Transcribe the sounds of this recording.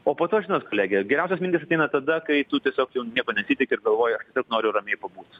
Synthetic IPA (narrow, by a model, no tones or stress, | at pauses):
oːpoːt̪oːʃʒʲɪnoːt̪koːlʲæːɡʲɛɡʲɛɾʲɛʊsʲɛsmʲɪnʲt̪ʲisɐt̪ʲɛɪnɐt̪ɐd̪ɐkɐɪt̪ʊt̪ʲiɛsʲoːkjɛʊnʲiɛkoːnʲɛsʲiːt̪ʲɪkʲɪɾɡɐlˠʋoːjɛɐʃt̪ʲiɛsʲoːknoːɾʲjʊrɐmʲeːjpɐbuːt̪